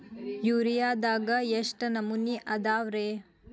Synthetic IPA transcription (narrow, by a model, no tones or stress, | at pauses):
juːɾijaːd̪aːɡɐjeʂʈɐnɐmuniʔɐd̪aːʋɾeː